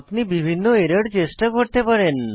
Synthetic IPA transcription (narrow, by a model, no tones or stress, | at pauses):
pnibibʱinːoeɾaɖt͡ɕesʈakoɾt̪epaɾen